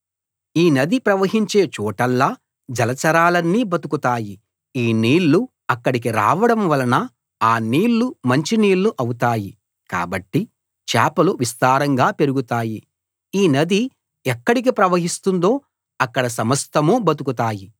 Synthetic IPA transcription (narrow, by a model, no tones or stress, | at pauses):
iːnɐd̪ipɾɐʋɐɦiɲt͡ʃe̞ːt͡ʃuːʈɐlːa | d͡ʒɐlɐt͡ʃɐɾaːlɐnːiːbɐt̪ukut̪aːji | iːniːɭːu | ɐkːɐɽik̬iɾa̰ːʋɐɽɐmʋɐlɐnɐ | aːniːɭːumɐɲt͡ʃiniːɭːuʔɐwut̪aːji | ka̰ːbɐʈːi | t͡ʃa̰ːpɐluʋist̪aːɾɐŋɡaːpe̞ɾuɡut̪aːji | iːnɐd̪i | ɛkːɐɽik̬ipɾɐʋɐɦist̪und̪o̞ː | ɐkːɐɽɐsɐmɐst̪ʰɐmubɐt̪ukut̪aːji